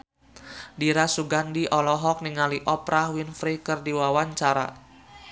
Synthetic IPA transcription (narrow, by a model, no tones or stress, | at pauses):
diɾasuɡandiʔɔlɔɦɔk̚niŋaliʔɔpɾahwinfɾikɨrdiwawaɲt͡ʃaɾa̰